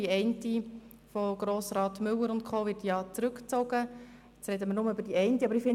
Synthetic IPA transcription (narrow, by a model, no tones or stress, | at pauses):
iɛɪnti | foɡ̥ɾoːsɾɑːtmʏlːəɾʊntkʰoːʋɪɾtjɑːt͡sɾʉkt͡soɡəɪt͡sɾɛdəmənʊməybəɾd̥iɛɪntiɑbəɾifɪn